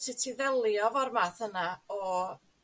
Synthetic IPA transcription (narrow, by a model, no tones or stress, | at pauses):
tʰitʰiðɛlˠjɔvɔrmaθənaɔ